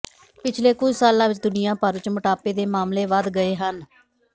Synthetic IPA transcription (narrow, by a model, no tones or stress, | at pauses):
pɪt͡ʃʰleːkʊd͡ʒʱsaːlãːʋɪt͡ʃd̪ʊnɪjãːpəɾʋɪt͡ʃməʈaːpeːd̪eːmaːmleːʋəd̪ɡəeːɦən